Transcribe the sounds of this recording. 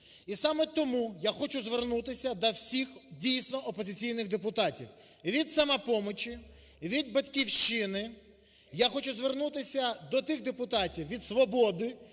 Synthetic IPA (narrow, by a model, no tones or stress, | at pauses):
isɑmɛt̪ɔmujaxɔt͡ʃʊzʋernut̪ɪsʲɐd̪ɐwsʲixdʲijsʲnɔʔɔpɔzɪt͡sʲijnɪɣd̪epʊt̪ɑtʲḭwʋʲid̪sɐmɐpɔmɔt͡ʃi | ʋʲid̪̚bɐtʲkʲiwʃt͡ʃɪnɪ | jaxɔt͡ʃʊzʋernut̪ɪsʲɐd̪ɔt̪ɪɣd̪epʊt̪ɑtʲiwʋʲid̪sʋɔbɔd̪ɪ